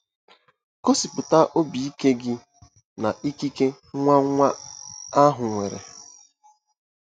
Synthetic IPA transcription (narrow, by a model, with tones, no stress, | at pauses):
ko˦si˨pʊ˨ta˦ʔo˦bi˨i˦ke˦ɡɪ˦ | na˨ʔi˦ki˦ke˦ | ŋʷa˦ŋʷa˦a˦ɦʊ˨ŋʷe˨ɾḛ˨